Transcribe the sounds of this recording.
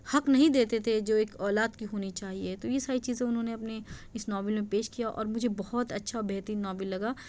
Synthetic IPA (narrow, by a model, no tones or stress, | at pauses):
hɐknɐɦĩd̪eːt̪et̪ʰed͡ʒoːeːkɔːlaːd̪kiɦoːnit͡ʃaːɦiet̪ojesaːɾit͡ʃiːzẽʊnɦõneɐpneɪsnɔːbɪlmẽpeːʃkijaʔɔ̰ːɾmʊd͡ʒʱebɐɦɔt̪ɐtːʃʰabɛɦt̪iːnːɔːbɪlːɐɡaː